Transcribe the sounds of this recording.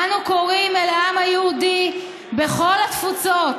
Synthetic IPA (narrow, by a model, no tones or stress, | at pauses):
nuko̞ʁimelaamajeudi | beχo̞lat̪fut͡sot